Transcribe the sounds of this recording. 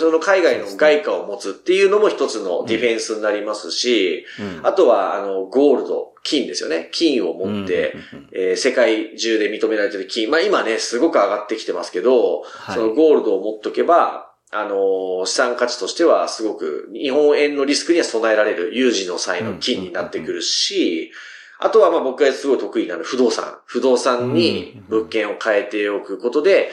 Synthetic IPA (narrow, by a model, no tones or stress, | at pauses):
so̞no̞kaiɡaino̞ɡaikaomo̞t͡sɨt̪ːe̞jɯ̟ːnomo̞çi̥t̪o̞t͡sɨno̞̰d̪ʲiɸẽ̞ɰ̃sɨɲinaɾʲimasɨɕiat̪o̞βaa̰no̞ɡo̞ːɾɯ̟d̪o̞̰ | kʲĩnd̪e̞sɨjo̞̰ne̞kʲʰĩɰ̃o̞mo̞t̪ːe̞̰ | eːse̞kaiʑɨːd̪e̞mʲit̪o̞me̞ɾaɾe̞t̪̬e̞ɾɯ̟kʲĩɰmaimane̞sɨɡo̞kɯ̟aɡat̪ːe̞kʲi̥t̪e̞ma̰sɨ̥ke̞d̪o̞so̞no̞ɡo̞ːɾɯ̟d̪o̞ːmot̪ːoke̞ba | ano̞ɕi̥sãŋkat͡ɕi̥t̪o̞ɕi̥t̪e̞βasɨɡo̞kɯ̟̰iɦõ̞ɰ̃ẽ̞nːo̞ɾʲisɨ̥kɯ̟ɲ̟iβaso̞nae̞ɾaɾe̞ɾɯ̟jɯːʑĩnːo̞saino̞kʲĩɲ̟ːinat̪ːe̞kɯ̟ɾɯ̟ɕi | a̰t̪o̞βamabo̞kɯɡaesɨɡo̞ki̥t̪o̞kɯ̟inanoɸɯ̟d̪o̞ːsã̰ɸɯ̟d̪o̞ːsãɲ̟ɲi | bɯ̟kːẽ̞ɰ̃o̞kʰae̞t̪e̞o̞kɯ̟ko̞t̪o̞d̪e̞